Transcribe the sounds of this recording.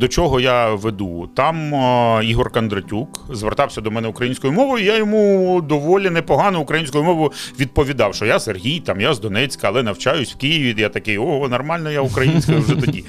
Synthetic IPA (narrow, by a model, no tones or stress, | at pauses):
d̪ɔt͡ʃɔɦɔjaʋed̪ṵt̪ɑmiɦɔrkɐnd̪ɾɐtʲukzʋert̪ɑwsʲɐd̪ɔmɛnɛukɾɐjinʲsʲkɔjʊmɔʋɔjʊijajɔmud̪ɔʋɔlʲinɛpɔɦɑnɔʊkɾɐjinʲsʲkɔjʊmɔʋjʊʋʲid̪̚pɔʋʲid̪ɑwʃt͡ʃɔjaserɦʲijt̪ɑmjazd̪ɔnɛt͡sʲkɐːlˠɛnɐwt͡ʃajʊsʲw̥kijɪʋʲijat̪ɐkɪjɔnɐrmɑlʲnɔjaukɾɐjinʲsʲkɐjiwʒɛt̪ɔdʲḭ